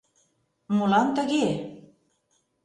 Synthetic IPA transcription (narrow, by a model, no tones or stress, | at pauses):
mulɑnt̪ə̆ɣe